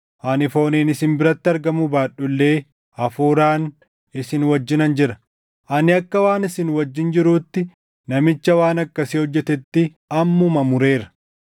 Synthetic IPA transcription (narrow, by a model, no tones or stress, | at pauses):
ʔɐnɪfoːniːnɪsɪmbɪɾɐt̪ːɪɐɾɡɐmʊbaːɗʊlːe̞ː | ɐfuːɾaːn | ɪsɪnwɐd͡ʒːɪnɐnd͡ʒɪɾɐ | ʔɐnɪɐkːɐwaːnɪsɪnwɐd͡ʒːɪnd͡ʒɪɾuːt̪ːɪ | nɐmɪt͡ʃːɐwaːnɐkːɐsɪhɔd͡ʒːɛt̪ɛt̪ːɪ | ɐmːʊmɐmʊɾe̞ːɾɐ̥